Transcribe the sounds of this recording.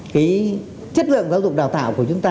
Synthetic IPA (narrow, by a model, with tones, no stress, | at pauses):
kaː˨˦j | t͡ɕə˦˥t̚lɨ̰˧˨əŋkaː˨˦wzʊ˨˩k͡p̚ɗaː˨˩wt̪a̰ː˧˨wku˧˩ət͡ɕʊ˨˦ŋ͡mt̪aː˧